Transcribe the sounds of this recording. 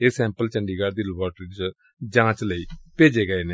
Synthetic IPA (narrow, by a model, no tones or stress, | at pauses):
eːsɛ̃ːmpəlt͡ʃəɳɖiːɡaːɾd̪iːləbaːʈɾiːt͡ʃ | d͡ʒãːt͡ʃləiːpeːd͡ʒeːɡəeːneː